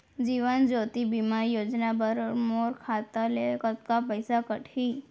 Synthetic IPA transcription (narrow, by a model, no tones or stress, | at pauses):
d͡ʒiʋənd͡ʒot̪ibimaɾjod͡ʒnabəɾmoɾkʰat̪əlekət̪̚kapəjsakəʈʰi